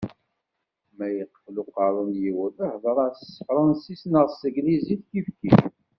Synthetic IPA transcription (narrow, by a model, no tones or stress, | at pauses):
mæjəqːħlʊqɑɾˤunjiwəðəhðˤəɾˤɑsə̥fɾˤɑnsisnəʁsəɡliziθkifki